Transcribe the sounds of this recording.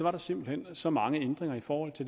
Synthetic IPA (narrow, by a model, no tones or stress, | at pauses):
ɒʋɑ̈ɾ̥ɑ̈se̝m̰b̥l̩hen̰sɒ̽mɑ̈ŋəend̥ʁeŋɐifɒːhɒ̽l̰t͡sʰeld